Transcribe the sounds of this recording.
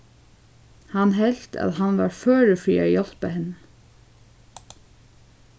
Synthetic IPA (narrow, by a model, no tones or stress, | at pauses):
hanɦɛl̥t̪ʰa̰ðhanʋɑ̰ɹføːɹəfɹḭːajɔl̥pahɪnːə